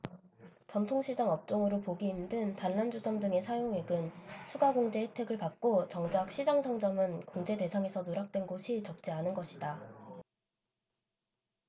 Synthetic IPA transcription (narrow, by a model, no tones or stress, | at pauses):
t͡ɕʌmtʰoŋɕʰid͡ʑaŋʌp̚t͡ɕ͈oŋɯɾopoɡiːmdɯntanːand͡ʑusʰʌmdɯŋe̞sʰajoŋe̞ɡɯnsʰuɡaɡoŋd͡ʑe̞etʰe̞ɡɯɭpak̚k͈ot͡ɕʌŋd͡ʑak̚ɕ͈ʰid͡ʑʌŋsʰʌŋd͡ʑʌmɯnkoŋd͡ʑe̞te̞sʰaŋe̞sʰʌnoɾak̚t͈wenɡoɕʰit͡ɕʌk̚t͡ɕ͈ianɯnɡʌɕʰida